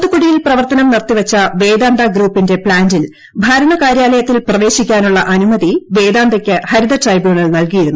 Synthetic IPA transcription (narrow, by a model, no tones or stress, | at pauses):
t̪ukuɽijilprɐʋɐrt̪ɐnɐmnirt̪iʋɐt͡ɕːɐʋe̞ːd̪aːnd̪ɐɡɾuːpːinde̞pɭaːndil | bʱaːɾɐɳɐkaːɾjaːlɐjɐt̪ːilprɐʋe̞ːɕikʲːaːnuɭːɐʔɐnumɐðiʋe̞ːd̪aːnd̪ɐkʲːɨhɐɾid̪ɐtrɐjbjuːɳɐɭnɐlkijiɾunːu